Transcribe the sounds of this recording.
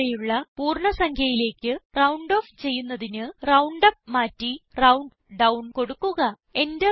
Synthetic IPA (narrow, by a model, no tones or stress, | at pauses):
ejuɭːɐpuːrɳɐsɐŋkʰjɐjile̞ːkːɨrɐwɳɖo̞ːft͡ɕe̞jːunːɐðinɨrɐwɳɖɐpmaːtːirɐwɳɖ | ɖɐwɳko̞ɽukːuɣɐ | e̞nde